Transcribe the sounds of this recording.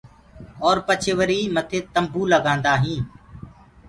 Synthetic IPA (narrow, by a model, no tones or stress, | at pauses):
ɔːɾpət͡ʃʰeːʋəɾiːmət̪ʰeːt̪əmbuːləɡãːnd̪aːɦĩː